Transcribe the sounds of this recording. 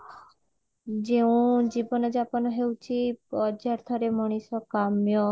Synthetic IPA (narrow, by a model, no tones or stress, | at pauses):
d͡ʒeũd͡ʒibɔnɔd͡ʒapɔnɔɦewt͡ʃʰipɔd͡ʒaɾt̪ʰɔɾemɔɽ̃isɔkamjɔ